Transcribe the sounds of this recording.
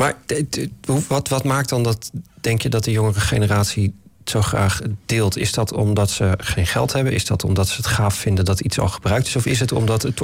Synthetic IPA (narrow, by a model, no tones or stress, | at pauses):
maːɹ | uʋɑtʋɑtmaːk̚dɑndɑtd̥ɛŋkjədɑt̚dəjʊŋərəχenəraːtsisowχra̰ːχd̥ɪːlˠtɪzdɑtʰɔ̰mdɑtsəχejnχɛ̰lˠtɦɛbənɪzdɑtɔ̰mdɑtsəɦətχaːffɪndəndɑtitsɑ̰lˠχəbrœɥk̚tɪsɔfɪs̬ɦətɔ̰mdɑtət